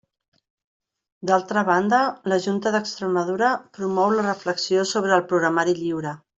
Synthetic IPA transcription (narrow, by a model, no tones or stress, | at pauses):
d̪alˠt̪ɾəβand̪ələʒunt̪əðəkst̪ɾəməðuɾəpɾumɔwlərəfləksiosoβ̞ɾəːlˠpɾuɣɾəmaɾiʎiwɾə